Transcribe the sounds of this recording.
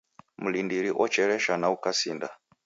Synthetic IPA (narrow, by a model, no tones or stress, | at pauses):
mulindiɾiʔɔt͡ʃɛɾɛʃanaukasinda